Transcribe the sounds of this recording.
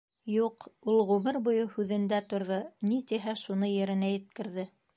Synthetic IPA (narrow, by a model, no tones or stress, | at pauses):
juqulˠʁumɘɾbŭjɤhʉðɘ̆nd̪æt̪ŏɾðonit̪iɦæʃunɤjɘ̆ɾɘ̆næjɘ̆t̪̚kɘ̆ɾðɘ